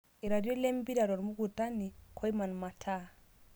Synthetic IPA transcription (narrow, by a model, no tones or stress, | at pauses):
ɛɾadiolembiɾaɾɔɾmuɡutanikʰɔjmanmatʰa